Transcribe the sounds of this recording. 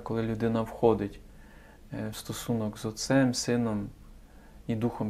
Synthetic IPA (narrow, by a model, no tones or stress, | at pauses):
kɔlˠɪlʲʊd̪ɪnɐwxɔd̪ɪtʲ | wst̪ɔsunɔkzɔt̪sɛmsɪnɔm | id̪uxɔm